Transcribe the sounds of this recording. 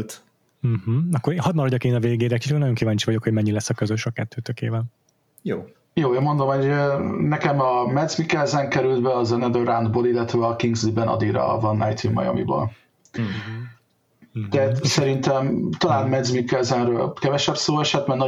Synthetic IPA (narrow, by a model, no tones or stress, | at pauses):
t̪ | m̩h̩ɒkːoɾehɒd̪̚mɒɾɒɟɒkeːnɒveːɡeːɾɛkiʃykonɒjo̞ŋkivaːɲt͡ʃivɒɟo̞kho̞ɟmɛɲːilɛsːɒkøzøʃɒkɛt̪ʰːøːt̪økeːvɛl | joː | joːeːnmo̞nd̪o̞mho̞ɟønɛkɛmɒmɛd̪zmikɛlzɛŋkɛɾyld̪bɛɒzɛnɛd̪øɾand̪boːlilːɛt̪ɛɒkiŋɡzlibɛnɒ̰d̪iɾɒ̰ɒ̰vɒnːɛjt̪ʰimːɒ̰jɒ̰mḭbo̰l | t̪ɛɦat̪sɛɾint̪ɛmt̪ɒlaːnmɛd̪zmikɛlzɛnrøːlkɛvɛʃɛpsoːɛʃɛt̪mɛnɒ